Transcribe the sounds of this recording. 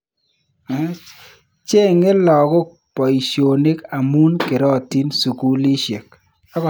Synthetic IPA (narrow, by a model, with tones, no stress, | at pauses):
t͡ʃe˦ŋe˦lɔ˨kɔ˦k̚ | pɔ˨i˨ʃo˨ni˦ka˨mu˦nke˨ɾɔ˦˨ti˦nsu˨ku˦li˦ʃe˨k̚ | a˦kɔ˨